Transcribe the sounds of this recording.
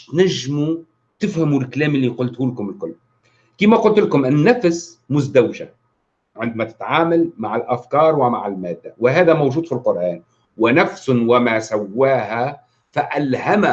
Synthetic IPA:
t̪naʒːɪmu | t̪ɪfhamulkaleːmʔɪlːiqʊlt̪huːlakʊmɪlkʊlː | kiːmaqʊlt̪lakʊmʔɪnːafs | mʊzd̪awʒa̰ | ʕɪnd̪mat̪ɪ̥t̪ʕaːmalmaʕɪlʔafkɑːɾˤwɪma̰ʕɪlmaːd̪ːawɪɦaːðamowʒuːd̪filqʊɾʔaːn | wɪnafsʊwɪmasawːaːha | faʔalhama

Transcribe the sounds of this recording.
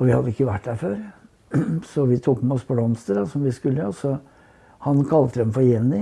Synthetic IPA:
ɔʋɪhɑd̪ːəɪkːəʋæʈːd̪æɾføːɾ | sɔʋɪt̪ʰuːkmɛɔspʰɔblɔmst̪əd̪ɑsɔmʋɪskʉlːəsɔ | hɑnkʰɑlt̪əd̪ɛmfɔɾjɛnːɪ

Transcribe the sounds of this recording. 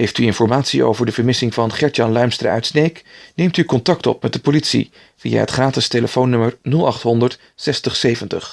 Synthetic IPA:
ɦejftyɪnfɔɹmaːtsio̰wvəɹdəvəɹmɪsɪŋvɑnχɛɹtjɑnlœɥmstrə̰œ̰ɥtsnejknejmtykɔntɑktɔ̰pmɛt̚dəpolitsḭ | vija̰ɦətχraːtɪsteləfownːɵməɹnɵlˠɑχtɦɔndəɹt | sɛstəχsejvəntə̰χ

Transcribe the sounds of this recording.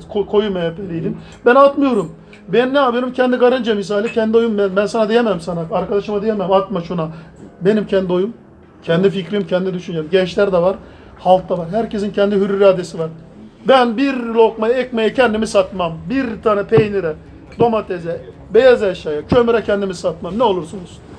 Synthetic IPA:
kʰokʰo̞jumajapʰelijd̪im | bænat̪mɯjo̞ɾum | bɛnːɛaːbjeɾumcʰɛnd̪iɡaɾɯnd͡ʒamis̬aːlʲicʰɛnd̪io̞jumbɛnbænsanad̪ejememsanaaɾkad̪aʃɯmad̪ejememat̪̚maʃuna | be̞nimcʰɛnd̪io̞jum | cʰɛnd̪ificɾimcʰɛnd̪id̪yʃynd͡ʒemɟɛnt͡ʃlʲæɾd̪ɛvaɾ | halˠk̚t̪avaɾɦæɾcʰes̬incʰɛnd̪iɦyɾyɾaːd̪esivaɾ | bænbiɾlˠokmajɛc̚mejɛcʰɛnd̪imisat̪mambiɾt̪ʰaːnɛpʰejniɾɛ | d̪o̞mat̪ʰezɛ | bejazɛʃaːjacʰømyɾɛcʰɛnd̪imisat̪̚mamnɛo̞lˠuɾsunuz̥

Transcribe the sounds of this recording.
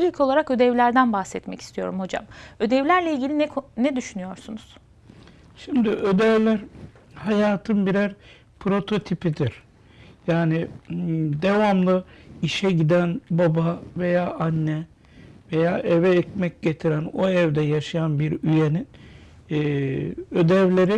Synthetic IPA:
ilʲcʰo̞lˠaɾakø̞d̪ɛvlʲæɾd̪ænbaxsɛt̪mɛ̰ci̥st̪ʰijo̞̰ɾumho̞d͡ʒa̰mø̞d̪ɛvlʲæɾlʲɛilʲɟʲilʲinnɛd̪yʃynyjo̞ɾsunuz̥ | ʃimd̪iʔød̪ɛvlʲæɾ | hajaːt̪ʰɯnbiɾæɾ | pʰɾo̞t̪ʰo̞t̪ʰipid̪iɾ̥ | jaːnɪ | d̪e̞vamlˠɯiʃɛɟid̪ænbabave̞jaːʔanːɛ | ve̞jaːʔevɛːcmɛc̚ɟe̞t̪ʰiɾænoɛvd̪ɛjaʃajanbiɾyje̞ninː | ø̞d̪ɛvlʲe̞ɾi

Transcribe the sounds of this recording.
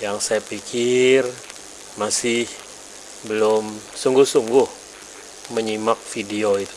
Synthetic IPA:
jaŋsajapikʰɪr | masɪh | bəlʊmsuŋɡʊhsuŋɡʊh | məɲimak̚fidioit̪u̥

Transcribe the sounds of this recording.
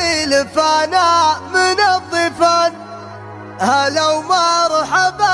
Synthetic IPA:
ilfanamɪnaðˤːɨfan | halawmaɾˤuħaba

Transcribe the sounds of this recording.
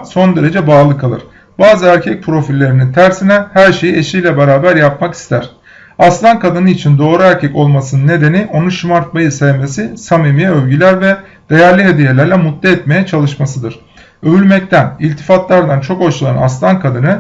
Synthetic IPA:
so̞nd̪eɾe̞d͡ʒɛbaːlˠɯkʰalˠɯ̰ɾ̥ | baːzɯæɾcʰɛc̚pʰɾo̞filʲːe̞ɾinint̪ʰæɾsinɛhæɾʃe̞jieʃijlʲɛbe̞ɾaːbæɾjap̚maki̥st̪ʰæɾ̝̥ | aslˠankʰad̪ɯnɯit͡ʃʰind̪o̞ːɾuæɾcʰɛco̞lˠmasɯnɯnːe̞d̪e̞niʔo̞nuʃimaɾt̪̚majɯsɛvme̞sisamimijɛølʲɟylʲæɾvɛ | d̪̥e̞jæɾlʲiɦe̞d̪ije̞lʲæɾlʲɛmut̪ːɛɛt̪me̞jɛt͡ʃʰalˠɯʃmasɯd̪ɯɾ̥ | øvylʲmɛc̚t̪ʰænilʲt̪ʰi̥fat̪lˠaɾd̪ant͡ʃʰo̞koʃulˠana̰slˠankʰad̪ɯnɯ

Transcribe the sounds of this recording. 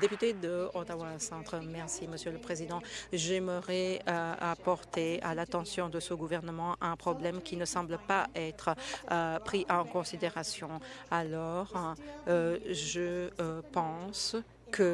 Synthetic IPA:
d̪epyt̪ed̪əɔ̃t̪awasɑ̃t̪χəmɛʁsiməsjøləpχezid̪ɑ̃ʒɛməʁɛapɔʁt̪ea̰lat̪ɑ̃sjɔ̃d̪əsəɡuvɛʁnəmɑ̃ʔɛ̃pχɔblɛmkʲʰinəsɑ̃bləpaɛt̪χ | pχiʔãkɔ̃sid̪eʁasjɔ̃alɔːʁ | ʒəpɑ̃s | kʰə

